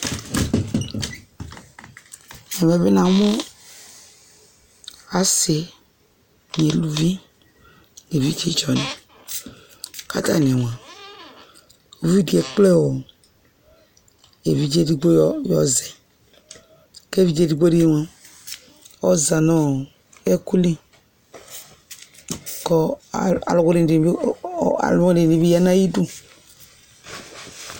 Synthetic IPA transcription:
e˨me˨βe˦na˨˦mo˦ | a˨se˨ | n˨e˨lu˦vi˦ | ne˨vi˦te˦t͡ʃɔ˨ni˨ | ka̰˦ta˦˨n˨e˨wã˨ | u˨vi˦di˨˦e˨k͡ple˦wo˨ | e˨vi˦d͡ʒe˦di˦ɡ͡bo˦jɔ̰˦zɛ˨ | ke˦vi˦d͡ʒe˦˨di˨ɡ͡bo˦ɾi˦e˦wa˨ | ɔ˦za˨nɔ˦ | e˦ku˦li˦ | kɔ˦˨a̰˨lɡu˦ɾi˨n˨˦a̰˨lɔ˦ɾi˨e˨vi˦ja˦na˦ji˦du˦

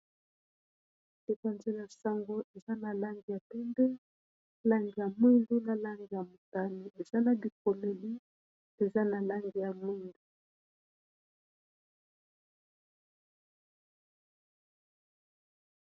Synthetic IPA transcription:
e˨pa˨nze˦la˨sa˦ŋɡo˦ʔe˨za˦na˨la˦ŋɡi˨ja˨pɛ˦nde˦ | la˦ŋɡi˨ja˨mwi˦ndu˦na˨la˦ŋɡi˨ja˨mu˨ta˦ni˨e˨za˦na˨di˨ko˨le˨li˦ | e˨za˦na˨la˦ŋɡi˨ja˨mwi˦ndu˨

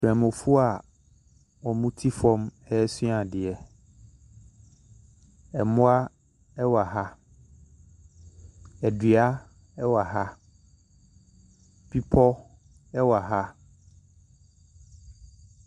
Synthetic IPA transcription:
fɾɛ̃˨mʊ̃˨fu˦a˨ | ɔ˨mũ˦tʰi˦fɔ̃˦mɛ˦ɛ˦sĩ˦a˨dɪ˨ɛ˨ | ɛ˨mʊ̃˦a˦ | ɛ˦wa˨ɦa˦ | ɛ˨dɥa˦ | ɛ˦wa˨ɦa˦ | pʰi˦pʰɔ˦ | ɛ˦wa˨ɦa˦

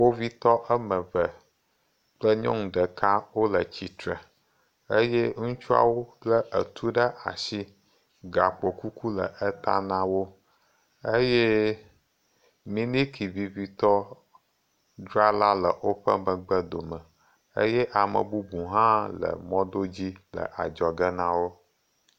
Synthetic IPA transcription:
wo˦vi˦t̪ɔ˦ʔə˦mə̃˨və˨ | k͡plə˦ɲɔ̰̃˦ŋ̩̃˨ɖə˨ka˦wo˦lə˨t͡ɕi˨t̪ɾə̰˨ | ə˦jɛ˦ŋũ˦t͡ʃu˦a̰˦wo˦lə˦ʔə˨t̪ʰu˦ɖə˦ʔa̰˨si˦ | ɡa˨k͡po˨ku˦kʰu˦lə̰˨ʔə˦t̪a̰˦nã˦wo˦ | ə˦je˦ | mĩ˦nĩ˦kʰi˨vi˨vi˦t̪ɔ˦ | ɖɾa˦la˦lə˨wo˦ɸə˦mə̃˨ɡ͡bə˦d̪o˨mə˨ | ḛ˦jɛ˦ʔa˨mə̰˨bu˦bũ˨ɦã˦lə̰˨mɔ̃˦d̪o˦d͡ʑi˦lə̰˨ʔa˨d͡ʒɔ˨ɡə˦nã˦wo˦

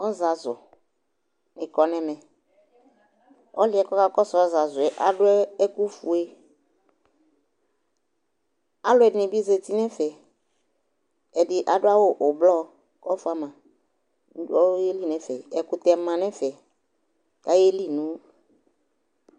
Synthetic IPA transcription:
ɔ˦za˨zʊ̰˨ | nɪ̃˨kɔ˨nɛ̃˨mɛ̃˨ | ɔ˦lɪ˨˦ɛ˨kɔ˦ka˦kɔ˦sɔ˨ɔ˦za˨zʊ˨ɛ˨ʔa˨dʊ˦ɛ˦ɛ˦ku˦fu˨e˦ | a˨˦lʊ˦ɛ˨dɪ˨nɪ̃˨bi˦ze˨t̪i˦nɛ̃˦fɛ˨ | ɛ˨dɪ˨ʔa˨ɖʊ˦a˦wo˦ʔʊ˨blɔ˦ | kɔ˦fʊ˦a˨mã˨˦ | dɔ˦je˦li˦˨nɛ̃˨˦fɛ˨ɛ˨kʊ˨t̪ɛ˨mã˨nɛ̃˦fɛ˨ | ka˦je˦li˦nũ˦

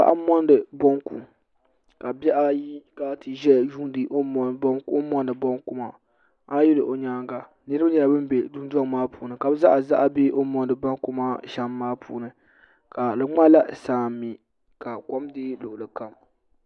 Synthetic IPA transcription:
a̰˦ʔa̰˦mɔ˦n˦dɨ˨bɔ˦ŋkṵ˨m | ka˨bɛ˦ʔa˦ji˦ka˦tɨ˨ʒɛ˦ʒu˦n˦dɨ˨ʔo˦m˨bko˦mɔ˦ndɨ˨bɔ˦ŋkʊ˦ma̰˨ | a˦jɪ˦lɨ˨ʔo˨ɲaː˦ŋɡa˨ | nɨ˦ɾɨ˦ba˦ɲɛ˨la˨bɨ˦m˦be˨du˦n˦da˦ŋ˦maː˦puː˨nɨ˨ka˨bɨ˦za˦ʔa˨za˦ʔa˨be˦ʔo˦mɔ˦ndɨ˨bɔ˦ŋku˦ma˦ʃa˦mːaː˦pʰṵː˨nɨ˨ | ka˨lɨ˨ŋ͡ma˦la˦saː˦mi˨ | ka˨kɔ˦mdeː˦lʊ˨ʔʊ˨lɨ˨ka˨m

